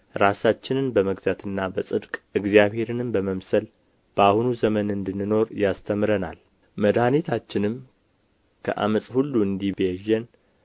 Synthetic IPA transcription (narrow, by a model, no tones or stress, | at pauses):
ɾasat͡ʃːɪnɨnbəməɡzat̪ʰɨnːabəsʼɨd̪kʼɨɡzijaβhe̞ɾɨnɨmbəməmsəl | b̥əahunuzəmənɨnd̪ɨnːɨno̞ɾjast̪ʰəmɾəna̰l | məd̪anit̪ʰat͡ʃːɪnɨm | kʰə̰ʔa̰məsʼhulːuɨnd̪iβeʒːɛn